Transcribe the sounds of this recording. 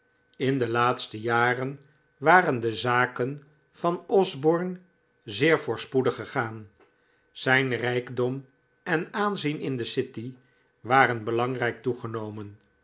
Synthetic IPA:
ɪndəlaːtstəjaːrən | ʋaːrəndəzaːkən | v̥ɑnɔzbɔɹn | zɪːɹvʊːɹspudəχəχaːn | z̥ɛjnrɛjɡdɔm | ɛnaːnzinɪndəsɪti | ʋaːrənbəlɑŋrɛjk̚tuχənowmən

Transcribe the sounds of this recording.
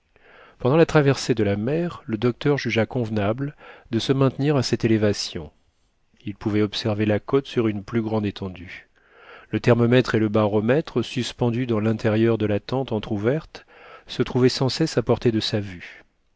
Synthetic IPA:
pɑ̃d̪ɑ̃lat̪χavɛʁsed̪əlamɛʁləd̪ɔk̚t̪œʁʒyʒakɔ̃vnabld̪əsəmɛ̃t̪niʁasɛt̪elevasjɔ̰̃ | ilpuvɛɔpsɛʁvelakɔt̪syʁynplyɡʁɑ̃d̪et̪ɑ̃d̪y | lət̪ɛʁmɔmɛt̪χeləbaʁɔmɛt̪χəsyspɑ̃d̪yd̪ɑ̃lɛ̃t̪eʁjœʁd̪əlat̪ɑ̃t̪ɑ̃t̪χuvɛʁt̪ | sət̪χuvɛsɑ̃sɛsapɔʁt̪ed̪əsavy

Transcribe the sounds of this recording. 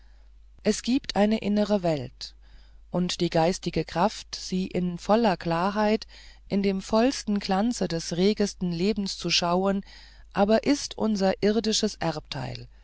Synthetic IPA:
ʔɛsɡ̥iːptʰʔaɪnəʔɪnəʁəvɛlt | ʔʊntd̥iːɡaɪstɪɡəkʁ̥aftz̥iːʔɪnfɔlɐklaːɐɦaɪt | ʔɪndeːmfɔlstn̩klant͡sədɛsʁeːɡəstn̩leːbm̩st͡suʃaʊən | ʔaːbɐʔɪstʔʊnzɐʔɪʁdɪʃəsʔɛɐp̚tʰa̰ɪl

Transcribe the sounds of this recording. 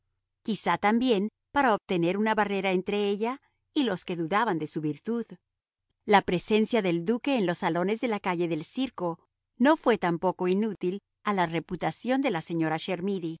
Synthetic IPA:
kisat̪ambje̞n | paɾaoβ̚t̪e̞ne̞ɾunaβare̞ɾaent̪ɾe̞e̞ʎa | ilo̞ske̞ðuðaβand̪e̞suβiɾt̪uð | lapɾe̞se̞nsjaðe̞ld̪uke̞ːnlo̞sːalo̞ne̞zðe̞lakaʝe̞ðe̞lsiɾko̞ | no̞fwe̞t̪ampo̞ko̞inut̪il | alare̞put̪asjo̞nd̪e̞lase̞ɲo̞ɾaʃe̞ɾmiði

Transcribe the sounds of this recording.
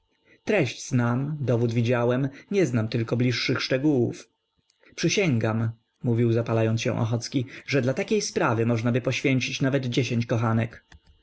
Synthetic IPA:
t̪ɾɛɕd͡ʑznamd̪ɔvud̪vʲid͡ʑawɛmɲɛznamt̪ɘlkɔblʲiʂːɘxʂt͡ʂɛɡuwṵf | pʂɘɕɛŋɡamː | uvʲiwzapalajɔnt̪sɕɛ̰̃ʔɔ̰xɔt̪skʲiʐɛd̪lat̪akʲejspɾavɘmɔʐnabɘpɔɕfʲjeɲt͡ɕit͡ɕnavɛd̪d͡ʑeɕeɲt͡ɕkɔxanɛk

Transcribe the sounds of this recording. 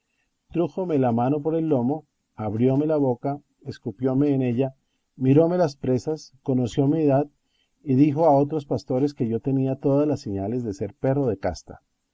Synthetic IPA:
t̪ɾuxo̞me̞lamano̞p̬o̞ɾe̞lːo̞mo̞ | aβɾjo̞me̞laβo̞ka | eskupjo̞me̞ːne̞ʝa | miɾo̞me̞laspɾe̞sasko̞no̞sjo̞mieðað | iðixo̞ao̞t̪ɾo̞spast̪o̞ɾe̞ske̞ʝo̞t̪e̞niat̪o̞ðazlasːeɲale̞zðese̞ɾpe̞roðe̞ka̰st̪ḁ̰

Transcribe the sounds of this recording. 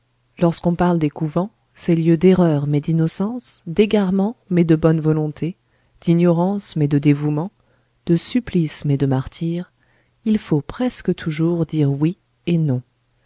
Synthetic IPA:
lɔʁskɔ̃paʁld̪ekuvɑ̃ | sɛljød̪eʁœʁmɛd̪inɔsɑ̃sd̪eɡaʁmɑ̃mɛd̪əbɔnvɔlɔ̃t̪ʰe | d̪̥injɔʁɑ̃smɛd̪əd̪evumɑ̃ | d̪̥əsyplismɛd̪əmaʁt̪ʰiːʁ | ilfopχɛskət̪ʰuʒuʁd̪iʁwi | enɔ̃

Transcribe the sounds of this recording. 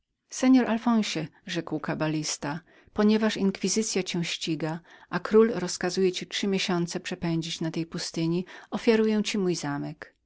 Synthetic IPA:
sɛɲɔɾʔalfɔ̃w̃ɕɛʐɛkwkabalʲist̪a | pɔɲɛvaʂiŋkfʲizɘt̪sʲjat͡ɕɛw̃ɕt͡ɕiɡaʔakɾulɾɔskazujɛt͡ɕit͡ʂʂɘmʲjeɕɔnt̪sɛpʂɛpɛɲd͡ʑit͡ɕnat̪ɛjpust̪ɘɲiɔfʲjaɾujɛw̃t͡ɕimujzamɛk

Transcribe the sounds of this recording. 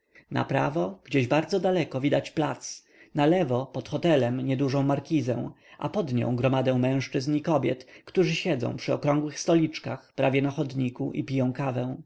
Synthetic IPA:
na̰pɾa̰vɔɡ̥d͡ʑeʑbaɾd̪zɔd̪alɛkɔvʲid̪at͡ɕplat̪s | nalɛvɔpɔt̪xɔt̪ɛlɛmɲɛd̪uʐɔ̃w̃maɾkʲizɛ̰̃w̃ | ʔa̰pɔd̪ɲɔ̰̃w̃ɡɾɔmad̪ɛ̃w̃mɛ̃w̃ʂt͡ʂɘznikɔbʲjɛt̪kt̪uʐɘɕɛd̪zɔ̰̃w̃pʂɘɔkɾɔ̃ŋɡwɘxst̪ɔlʲit͡ʂkaxpɾavʲjɛnaxɔd̪ɲikuʔipʲijɔ̃w̃kavɛ̃w̃

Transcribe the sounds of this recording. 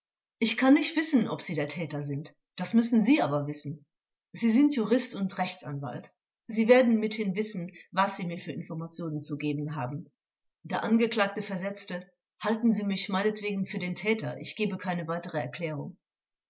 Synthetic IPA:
ʔɪçkʰanːɪçtv̥ɪsn̩ʔɔpz̥iːdeːɐtʰɛːtɐzɪnt | d̥asmʏsn̩ziːʔaːbɐvɪsn̩ | z̥iːzɪntjuʁɪstʊntʁɛçt͡sʔa̰nva̰lt | z̥iːveːɐdn̩mɪthɪnvɪsn̩vasz̥iːmiːɐfyːɐʔɪnfɔɐmat͡sjoːnənt͡suɡeːbn̩ɦaːbm̩ | d̥aːɐʔanɡəkl̥aːk̚təfɛɐzɛt͡stə | haltn̩ziːmɪçmaɪnətv̥eːɡŋ̩fyːɐdeːntʰɛːtɐʔɪ̰çɡ̥eːbəkʰaɪnəvaɪtəʁ̞əɛ̰ɐkl̥ɛːʁ̞ʊŋ

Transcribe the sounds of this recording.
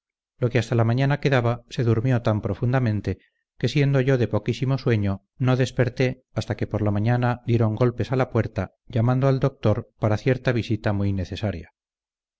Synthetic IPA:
lo̞keast̪alamãɲanake̞ðaβase̞ðuɾmjo̞t̪ampɾo̞fund̪amẽ̞nt̪e | ke̞sje̞nd̪o̞ʝo̞ðe̞po̞kisimo̞swe̞ɲo̞ | no̞ðe̞spe̞ɾt̪e̞ | ast̪ake̞po̞ɾlamaɲanaðje̞ɾo̞ŋɡo̞lpe̞salapwe̞ɾt̪a | ʝamãnd̪oald̪o̞k̚t̪o̞ɾpaɾaθje̞ɾt̪aβ̞isit̪amujne̞θe̞saɾja̰

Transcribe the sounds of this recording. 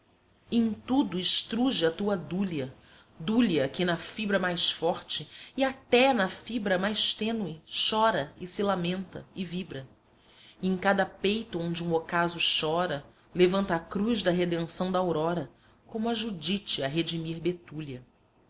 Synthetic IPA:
ẽj̃t̪ud̪ʊɪʃt̪ɾuʒɪɐt̪uɐd̪uliɐ | d̪uliɐkɪnɐfibɾɐmajsfɔɾt͡ʃɪːat̪ɛnɐfibɾɐmajʃt̪ẽnwɪʃɔɾɐɪsilamẽnt̪ɐ̰ɪvibɾɐ | ẽkad̪ɐpejt̪ʊõnd͡ʒɪũokazʊʃɔɾɐ | levɐ̃nt̪ɐːkɾuzd̪ɐɦed̪ẽsɐ̃w̃d̪ɐawɾɔɾɐ | kõmʊaʒud͡ʒit͡ʃɪɐɦed͡ʒimiɾbet̪ulɐ

